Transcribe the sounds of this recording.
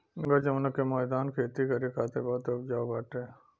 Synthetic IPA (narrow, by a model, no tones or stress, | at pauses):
ɡɐd͡ʒɐmnɐkemaːd̪aːnkʰeːt̪ikɐɾikʰaːt̪ebaːt̪obd͡ʒaːbaːʈeː